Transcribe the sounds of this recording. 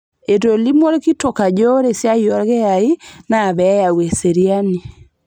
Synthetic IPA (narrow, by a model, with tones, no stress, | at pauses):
e˨to˨li˦mwo˦lki˦to˨ka˨d͡ʒo˦ɾe˨sja˦jɔ˦ɾɣe˦a˨i˦na˨βɛ˨˦ja˨we˨se˨ɾi˦a˦ni˨